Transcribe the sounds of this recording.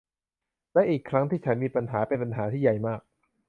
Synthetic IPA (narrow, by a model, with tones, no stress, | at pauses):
lɛ˦˥ʔiː˨˩kʰːɾa˦˥ŋt̪ʰiː˥˩t͡ɕʰa˦˥nmiː˧pa˧nɦaː˩˦pe˧npa˧nɦaː˩˦t̪ʰiː˥˩ja˨˩jmaː˥˩k̚